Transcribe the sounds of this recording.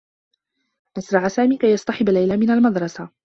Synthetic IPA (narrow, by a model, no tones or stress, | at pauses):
ʔasɾˤɑʕasaːmiːkajːɑsˤt̪ɑħɪbalːajlamɪnalmɑd̪ɾˤɑsa